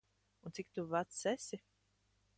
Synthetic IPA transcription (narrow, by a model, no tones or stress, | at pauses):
ũnt̪sik̚t̪uvat̪sɛsʲi